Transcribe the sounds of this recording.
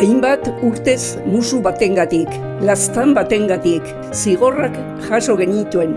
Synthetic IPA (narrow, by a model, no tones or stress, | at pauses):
ajmbat̪uɾt̪e̞s | musuβat̪e̞ŋɡat̪ik | last̪ambat̪e̞ŋɡat̪ik | siɣ̞o̞rak | ʝaso̞ɣe̞ɲit̪ue̞n